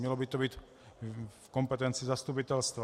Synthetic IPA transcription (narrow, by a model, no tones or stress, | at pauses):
jɛlɔbit̪ɔbiːc | fkɔmpɛt̪ɛnt͡sizast̪up̬it̪ɛlst̪ʋa